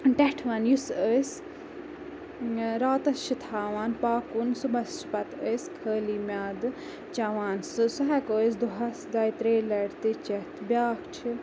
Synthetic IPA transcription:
ʈɛʈʰʋɐnjusəːs | ɾaːt̪ɐst͡ʃʰit̪ʰaːʋaːnpaːkunsubɐst͡ʃpɐt̪əːjskʰəːliːmʲaːd̪ɨ | t͡ʃɐʋaːnsɨsuɦɛkoːsd̪uɦɐsd̪ɐjt̪ɾeːlɐɽt̪ɨt͡ʃɐt̪ʰbʲaːkt͡ʃʰi

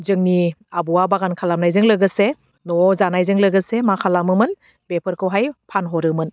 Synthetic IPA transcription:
zɯŋniabuwabaɡankʰalamnajzɯŋlɯɡɯse | nɔzanajzɯŋlɯɡɯsemakʰalamɯmɯn | bepʰɯɾkʰɯwɦajpʰanɦɔɾɯmɯn

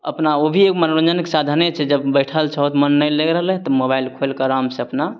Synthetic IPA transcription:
ə̰pnaobʱiekmənɾənd͡ʒənkesad̪ʱənet͡ʃʰɛd͡ʒəbbəjʈʰəlt͡ʃʰəɦt̪mənːəjleɡɾəɦəlt̪ɔmobailkʰolkaɾamseəpna

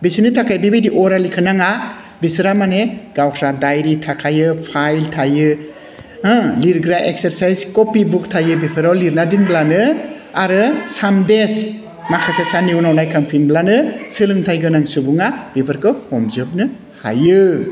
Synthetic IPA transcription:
bisɯnitʰakʰajbibijdiʔɔɾalikʰɯnaŋa | bisɾamaneɡawkʰɾadajɾitʰakʰajɯpʰajltʰajɯ | ɯliɾɡɾaʔek̚seɾsajzkopibuk̚tʰajɯbipʰɯɾawliɾnadinblanɯ | aɾɯsambes | makʰasasaniwnawnajkʰaŋpʰinblanɯsʰɯlɯŋtʰajɡɯnaŋsubuŋab̥ipʰɯɾkɯhɔmzɯp̚nɯ | ha̰jɯ

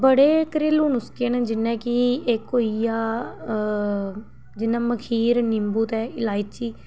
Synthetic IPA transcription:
bəɽeːkɾɪluːnʊskend͡ʒɪnːɛ̃ːkɪekːoːijaː | d͡ʒɪnːãːməkʰiːɾnɪmbuːt̪ɛːɪlaːit͡ʃiː

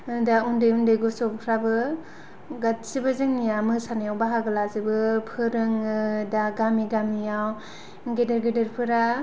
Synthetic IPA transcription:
ɯdaundɯjundɯjɡusɔppʰɾabɯ | ɡat̚sibɯzɯŋnijamɯsanijawbaɦaɡɯlazɯbɯpʰɯɾɯŋɯdaɡamiɡamijaw | ɡedeɾɡedeɾpʰɯɾa

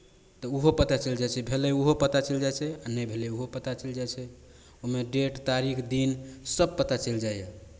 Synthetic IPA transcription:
t̪ɔuɦopət̪at͡ʃəld͡ʒajt͡ʃʰɛbʱelɛuɦopət̪at͡ʃəld͡ʒajt͡ʃʰɛanɛjbʱelɛuɦopət̪at͡ʃəld͡ʒajt͡ʃʰɛ | oɦmeɖeʈt̪aɾikʰd̪insəb̚pət̪at͡ʃəld͡ʒajje

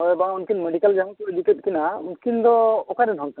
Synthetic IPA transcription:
ɔjbaunkʰinmeɖikald͡ʒamɔt̪ɔeduket̚kinaunkʰind̪ɔɔkaɾɛd̪ʱɔŋt̪a

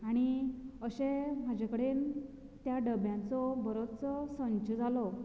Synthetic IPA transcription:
aɽ̃iəɕem̤ad͡ʑʱakəɽen | t̪jaɖəbjãnt͡sɔbəɾot͡sɔsə̃ɲd͡ʑəd͡zʱalɔ

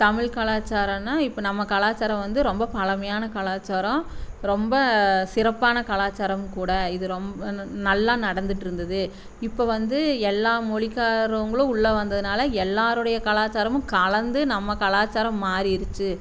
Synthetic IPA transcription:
t̪ɐmɪɻkɐɭaːt͡ʃːaːɾɐnaːɪpːonɐmːɐkɐlaːt͡ʃːaːɾɐ̃mʋɐnd̪ɯɾɔmbɐpɐlɐmɐjaːnɐkɐɭaːt͡ʃːaːɾɐ̃ɾɔmbɐsɪɾɐpːaːnɐkɐlaːt͡ʃːaːɾɐmkuːɽɐɪðɯɾɔmbɐnɐlːaːnɐɽɐnd̪ɯʈːɪɾɯnd̪ɐðɯ | ɪpːoːʋɐnd̪ɯɛlːaːmɔɭɪkːaːɾɐʋɯŋɡɐɭɯ̃ʊɭːɐʋɐnd̪ɐðɯnaːlɐɛlːaːɾɯɽɐjɐkɐlaːt͡ʃːaːɾɐmɯ̃kɐɭɐnd̪ɯnɐmːɐkɐlaːt͡ʃaːɾɐ̃mːaːɾijɪɾɯt͡ʃːɯ

